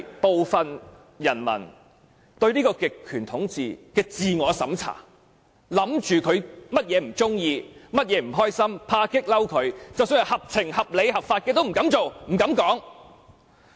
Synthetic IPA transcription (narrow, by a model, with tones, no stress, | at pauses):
po˨wfɐ˨n | jɐ˨˩nmɐ̰˨˩n | t̪ɵ˧ɥliː˥kɔː˧kɪ˨kʰːyː˨˩nt̪ʰʊ˨˥ŋt͡siː˨kɛː˧t͡siː˨ŋɔː˨˧sɐ̰˨˥mt͡sʰa̰ː˨˩ | lɐ˨˥mt͡ʃyː˨kʰɵ˨˧ɥmɐ˥t̚jɛː˨˧m̩˨˩t͡sʊ˥ŋjiː˧mɐ˥t̚jɛː˨˧m̩˨˩ɦɔː˥jsɐ˥mpʰaː˧kɪ˥k̚lɐ˥wkʰɵ˨˧ɥt͡sɐ˨wsɵ˥jɐ˨˧whɐ˨p̚t͡sʰɪ˨˩ŋhɐ˨p̚le˨˧jɦɐ˨p̚faː˧t̚kɛː˧t̪o˥wm̩˨˩kɐ˨˥mt͡so˨wm̩˨˩kɐ˨˥mkɔː˨˥ŋ